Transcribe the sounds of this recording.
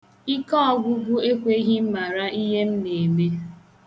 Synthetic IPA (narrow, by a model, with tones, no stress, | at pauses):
i˦kɔ˦ɔ˦˨ɡʷʊ˦ɡʷʊ˦e˦kʷe˦i˦ɦi˦m̩˦ma˨ɾa˦i˦ɦe˦m̩˦ne˨me˦